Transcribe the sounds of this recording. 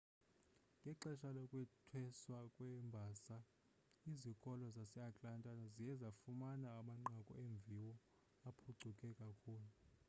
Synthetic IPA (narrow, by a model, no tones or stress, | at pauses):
ŋʱɛǁɛʃalokʼwɛtʰwɛswakʼwɛmbʱaːsa | izikʼɔlɔzasɛakʼlantʼanazijɛzafumanaːmaŋ͡ǃakʼṵeɱb̪vʱiwɔ | apʰuɡ͡ǀʱukʼɛkʼakʰuːlu